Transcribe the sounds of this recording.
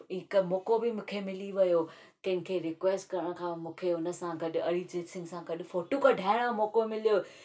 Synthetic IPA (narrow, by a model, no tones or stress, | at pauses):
ɪkmoːkobɪmʊ̃ːkʰemɪliʋɐjo | k̪ɐ̃ɦɪ̃nkʰeːɾɪkʋeːsʈkɐɾəɽ̃kʰãmũːkʰeʊnə̆sãɡɐɗ̆ɐɾid͡ʑeːʈsɪ̃ŋɡsãɡɐɗʊ̆foːʈukɐɖʱaːɪɽ̃amoːkomɪlijo